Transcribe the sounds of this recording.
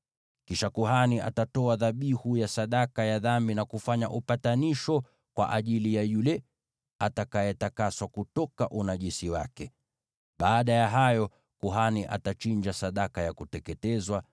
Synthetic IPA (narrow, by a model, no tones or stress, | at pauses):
kiʃakuhaniʔa̰tatɔaðaɓihujasaɗakajaðambinakufaɲa̰ʔupataniʃɔ | kwa̰ʔaʄilijajulɛ | atakajɛtakaswakutɔkaʔunaʄisiwa̰kɛ | ɓaːɗajaɦajɔ | kuɦaniʔa̰tat͡ʃiɲd͡ʒasaɗakajakutɛkɛtɛzwa